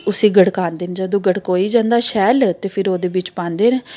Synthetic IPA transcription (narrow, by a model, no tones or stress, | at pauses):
ʊsĩːɡəɽkãːnd̪eːnd͡ʒəd̪õːɡəɽkoːiːd͡ʒãːnd̪aːʃɛːlt̪eːpʰɪɾoːd̪eːbɪt͡ʃpãːnd̪eːn